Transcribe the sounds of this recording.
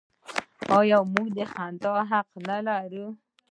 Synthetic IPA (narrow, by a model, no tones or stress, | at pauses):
ojawmuɡd̪əxant̪ɑɦaqnalaɾu